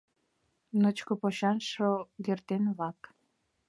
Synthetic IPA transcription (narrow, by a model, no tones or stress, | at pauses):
nət͡ɕkopoɕɑnʃoɡert̪enβɑk